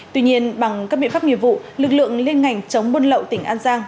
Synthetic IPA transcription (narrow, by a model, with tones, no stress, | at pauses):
t̪wi˧ɲi˧ənɓa˨˩ŋkaː˦˥ɓḭ˧˨˦fa˦˥ŋi˧˨əmvṵ˧˨lɨ˨˩k̚lɨ̰˧˨əŋle˧nŋa˨˩jŋ̟t͡ɕə˨˦wŋ͡mɓə˧nlə̰˧˨wt̪ï˧˩ŋ̟ʔaː˧nzaː˧ŋ